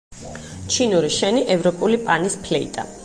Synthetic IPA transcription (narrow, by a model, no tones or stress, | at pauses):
t͡ʃʰinuɾiʃɛniʔɛvɾɔpʼulipʼanispʰlɛḭt̪ʼa̰